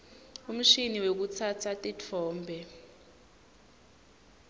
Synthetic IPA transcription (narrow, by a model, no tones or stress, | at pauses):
um̩ʃiniwek̬ut͡sʰat͡sʰatʼit͡fʰɔːmbʱɛ